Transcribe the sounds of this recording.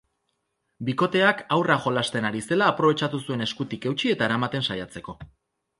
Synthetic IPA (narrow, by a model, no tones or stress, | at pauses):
biko̞t̪e̞akawraʝo̞last̪e̞naɾise̞laːpɾo̞βe̞t͡ʃat̪usue̞ne̞skut̪ike̞wt͡ʃie̞t̪aeɾamat̪e̞nsajat͡se̞ko̞